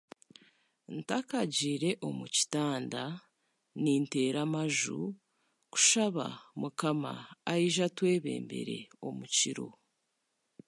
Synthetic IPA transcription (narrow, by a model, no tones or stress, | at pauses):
ntakaɟiːɾe̞ʔo̞muci̥taːnda | niːnte̞ːɾamaʒu | ku̥ʃaβa̰mukama̰ːjiʒatwe̞ːβe̞̰ːmbe̞̰ɾe̞̰o̞muciɾo̞̰